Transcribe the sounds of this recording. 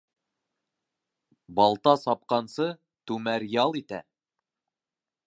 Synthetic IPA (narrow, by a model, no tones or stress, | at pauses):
bɑlˠt̪ɑsɑp̚qɑnsɤ | t̪ʉmæɾjɑlˠit̪æ̰